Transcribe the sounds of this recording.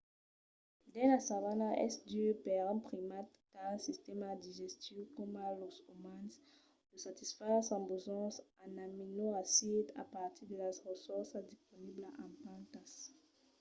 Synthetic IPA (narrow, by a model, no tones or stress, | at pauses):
d̪ɛ̃nasavanaɛ̰sd̪ypɛʁɛ̃pχimat̪kasist̪ɛmad̪iʒɛst̪jɔkɔmalosomãns | d̥əsat̪isfɛʁsãbozɑ̃sanaminoʁasid̪a̰paʁt̪id̪əlasʁəsɔʁsad̪ispɔniblaʔãpãnt̪as